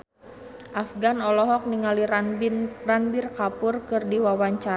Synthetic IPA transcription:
ʔafɡanɔlɔɦɔk̚niŋali | ranbirkapʊrkɨrdiwawaɲt͡ʃaɾ

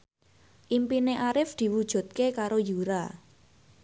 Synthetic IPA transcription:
ʔimpineʔaɾɪfd̪̥i̤wud̥ʒ̥ṳt̪̚kekaɾojuɾa

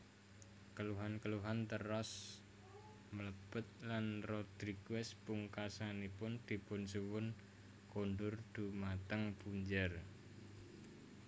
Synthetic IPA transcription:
kəluɦankəluɦant̪ərɔs | mələb̥ət̪̚lanrɔd̪̥ɾiɡuwɛspuŋkasanipʊnd̪̥i̤pʊnsuwʊn | konɖʊrd̪̥ṳmat̪əŋpuɲd͡ʒər

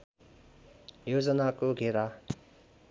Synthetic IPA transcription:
jozənakoɡeɾa

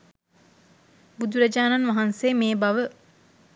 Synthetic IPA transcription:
bud̪uɾɐd͡ʒaːnanʋaɦanseːmeːbaʋə

